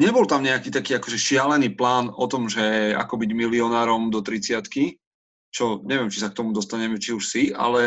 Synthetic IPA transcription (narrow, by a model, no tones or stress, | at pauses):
ɲɛbɔlt̪amɲɛakiːt̪akiːakɔʒɛʃɪalɛniːplaːnɔt̪ɔmʒɛa̰kɔbiɟmiliɔnaːɾɔmd̪ɔt̪ɾit͡sɪat̪ki | t͡ʃɔɲɛʋɪɛmt͡ʃisak̚t̪ɔmud̪ɔst̪aɲɛmɛt͡ʃiuʃsia̰lɛ